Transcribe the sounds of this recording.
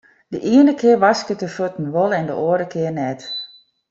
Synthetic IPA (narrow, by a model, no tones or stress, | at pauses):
dəʔiənəkʰɪərʋɑskətəfotn̩ʋolˠɛndə̰ʔoəɾəkʰɪərnɛt